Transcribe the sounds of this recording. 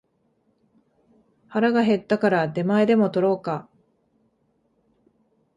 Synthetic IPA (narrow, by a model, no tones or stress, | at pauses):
haɾaɡaɦe̞t̪ːakaɾad̪e̞maed̪e̞mo̞t̪o̞ɾo̞ːka